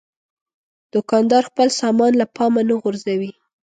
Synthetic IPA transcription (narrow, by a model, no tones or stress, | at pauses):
d̪̥ʊkɑnd̪ɑɾxpəlsɑmɑnlapɑmanaɣʊɾzawi